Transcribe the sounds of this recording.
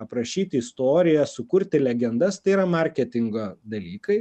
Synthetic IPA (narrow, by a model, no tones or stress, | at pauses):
ɐpɾɐʃʲiːt̪ʲɪɪst̪oːɾʲɪjɛsʊkʊɾʲt̪ʲɪlʲɛɡʲɛnd̪ɐst̪ɐɪiːɾɐmɐɾʲkʲɛt̪ʲɪŋɡod̪ɐlʲiːkɐɪ